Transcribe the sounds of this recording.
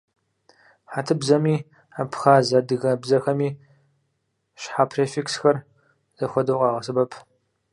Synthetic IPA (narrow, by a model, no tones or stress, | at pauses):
ħatʰɨbzɐmiː | apʰxaːzɐdɨɣɐbzɐxɐmiː | ʃħaːpʰreːfeksxɐr | z̥ɐxʷɔdɐwqʼɑːʁɐsɨbɐpʰ